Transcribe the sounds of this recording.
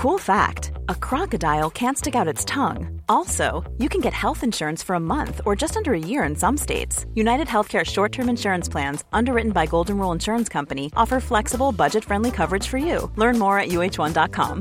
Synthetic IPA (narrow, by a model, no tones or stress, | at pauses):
kʰulˠfæ̰k̚təkʰɹ̥ɑkɨdaɪl̩ˠkʰæ̃ntstɪkaʊɾɨtstʰʌ̃ŋɔlˠsoʊjɨkʰɨ̃nɡɛt̚hɛlˠθɨ̃nʃʊɹɨ̃nsfə˞əmʌ̃nθə˞d͡ʒʌstʌ̃ndə˞ɨjɪɹɨ̃nsʌ̃msteɪtsjʉnaɪɾɨd̚ɦɛlˠθkʰɛɹʃɔɹtʰɜ̃˞mɨ̃nʃʊɹɨ̃nspʰl̥æ̃nz̥ʔʌ̃ndə˞ɹɪʔn̩baɪɡoʊlˠdⁿn̩ɹulˠə̃nʃʊɹə̃nskʰʌ̃mpɨniʔɔfə˞flɛksəbl̩ˠbʌd͡ʒɨtfɹɛ̃ndlikʰʌvə˞ɨd̥ʒ̥fə˞jʉ̰lɜ̃˞nmɔɹɨʔ̚jʉeɪt͡ʃwʌ̃ndɑt̚kʰɑ̰̃m